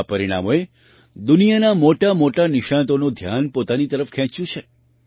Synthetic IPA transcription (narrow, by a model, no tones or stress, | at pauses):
pəɾiɽ̃a̰moe | d̪unijanamoʈamoʈanɪʃãnt̪onud̪ʱja̰npot̪anit̪əɾəfkʰɛ̃t͡ʃjũt͡ʃʰe